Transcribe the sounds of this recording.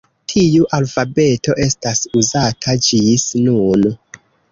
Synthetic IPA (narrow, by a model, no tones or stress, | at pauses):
tʰiuʔalfabe̞to̞ʔe̞stasuzatʰad͡ʒisnun